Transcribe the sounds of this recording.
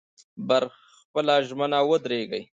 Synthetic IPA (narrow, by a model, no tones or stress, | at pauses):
baɾ | pəlaʒmənawəd̪ɾeɡəj